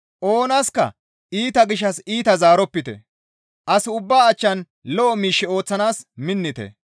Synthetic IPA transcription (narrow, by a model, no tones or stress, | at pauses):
ʔo̞ːnɐskɐ̰ | iːt̪ɐɡɪʃːɐsiːt̪ɐzaːɾɔpːɪt̪ɛ̰ | ʔɐsɪʊbːaːt͡ʃːɐn | lɔʔɔmiːʃːɛo̞ːt͡sːɐnaːsmɪnːɪt̪ɛ̰